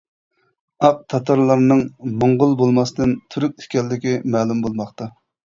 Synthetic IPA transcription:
ɑq̚t̪ʰɑt̪ʰɑɾlˠɑɾnɨŋmoɴʁʊlˠbolˠmɑsd̪ɨnt̪ʰyɾykʲiʃkʲɛlːɪkʲimɛːlumbolˠmɑχt̪ɑ

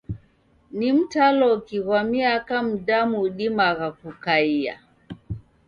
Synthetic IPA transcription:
nim̩talɔkiɣamiakam̩damuɗimaɣakukaia̰

